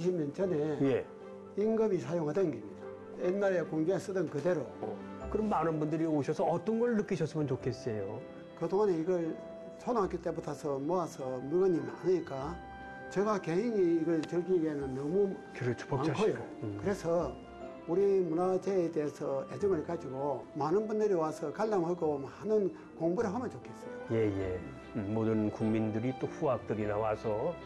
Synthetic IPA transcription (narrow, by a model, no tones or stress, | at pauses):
iɕ̬ʰimɲʌnt͡ɕʌne̞je | iŋɡɯbisʰajoŋɦadɯnɡemɲid̥a | enːaɾekoŋɡoɦes͈ɯdɯnkɯde̞ɾo | kɯɾʌmmanɯnbundɯɾioɕʰʌsʰʌʌt͈ʌnɡʌɭnɯk͈iɕʰʌs͈ɯmɯnt͡ɕokʰes͈ejo̰ | kɯdoŋɦaneiɡʌɭ | sʰonaŋɦak͈it͈e̞budasʰʌmʌasʰʌmɯɭɡʌɲimia̰ɲiɲik͈a | t͡ɕeɡakeɦiŋiːɡʌɭt͡ɕɯɭɡiɡenɯnːʌmu | kɯɾemaŋkʰojokɯɾesʰʌ | uɾimunat͡ɕeːd̪eːsʰʌed͡ʑɯŋɯɭkad͡ʑiɡomanɯnbund̪ɯɾiwasʰʌkaʎːamɦaɡomaanɯn | koŋbuɾɯɭɦamjʌnt͡ɕokʰes͈ʌ̥jjeje | modɯnkuŋmindɯɾit͈oɸuak̚t͈ɯɾinawasʰʌ